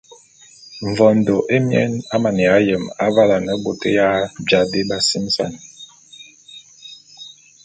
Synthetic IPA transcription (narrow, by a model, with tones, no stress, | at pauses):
ɱ̩˨vɔ˨n̩˨do˨ʔe˦mjɛ̰˦na˦ma˨ni˨a˨˦jə˨ma˦va˦la˨nə˨ɡ͡bo˨tə˦ja˦bja˨de˦ba˨si˦m˦sa̰˦˨n˨